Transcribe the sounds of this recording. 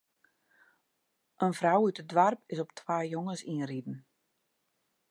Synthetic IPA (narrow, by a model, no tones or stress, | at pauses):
ʔənvrawytədʋarpɪsɔp̚tʰwaːjoŋəsiənridn̩